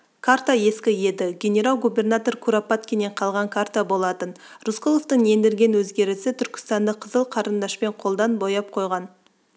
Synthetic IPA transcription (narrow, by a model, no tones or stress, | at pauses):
kʰaɾt̪aje̞skʲɪje̞d̪ɪɡʲe̞nʲe̞ɾalˠɡube̞rnat̪o̞rkʰuɾapat̪̚kʲʰene̞ɴqʰɑlˠʁɑŋkʰart̪abo̞lˠɑt̪ənruskolˠoft̪əɴe̞nd̪ɪɾɡʲe̞nwɵzɡʲe̞ɾɪsɪt̪ʰʏɾkʲɪ̥st̪ɑnd̪əqʰəzəlˠqʰɑɾənd̪ɑʃpe̞ɴqʰo̞lˠd̪ɑnbo̞jɑp̚qʰo̞jʁɑn